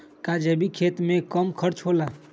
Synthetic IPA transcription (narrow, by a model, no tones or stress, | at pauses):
kad͡ʒebikʰet̪mẽkəmkʰəɾt͡ʃɦola